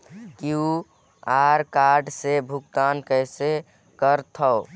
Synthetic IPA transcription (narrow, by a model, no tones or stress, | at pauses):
kiu | aɾkaɾɖsebʱuɡt̪ankəɪse | kəɾt̪ʰɔː